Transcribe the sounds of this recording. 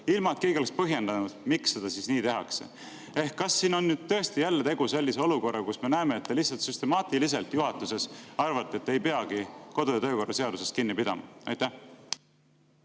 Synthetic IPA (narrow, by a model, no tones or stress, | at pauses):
ilmɑt̪ke̞ːɡioespɤɦje̞nd̪ɑnud̪̥miksːe̞d̪̥ɑsisniːt̪e̞ɦɑ̰kse̞̰ | e̞hkːɑsːiːno̞nːyːd̪̥̚t̪ɤ̞est̪ijælːet̪e̞ɡ̥use̞lʲːise̞o̞luko̞rːɑkusme̞næeme̞et̪̚ːelihsɑlt̪syst̪emɑːt̪ilise̞lt̪juɦɑt̪ːˑuse̞sɑrvɑt̪ːˑeet̪ːe̞jpe̞ɑɡ̥iko̞d̪ojɑt̪ø̞ːko̞rːɑse̞ɑd̪use̞st̪kinːipid̪ɑ̰mɑ̰ɑ̰jt̪æh